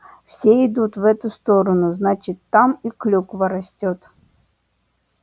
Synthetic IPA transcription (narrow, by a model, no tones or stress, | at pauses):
fsʲeɪd̪ut̪vɛt̪ʊst̪oɾənʊznat͡ɕɪt̪ːamiklʲukvɐɾɐsʲtʲot̪